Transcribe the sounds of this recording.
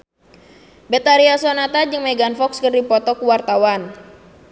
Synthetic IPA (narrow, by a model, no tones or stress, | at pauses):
bɛt̪aɾiasɔnat̪ad͡ʒɨŋmɛɡanfɔkskərdipɔt̪ɔkuwart̪awan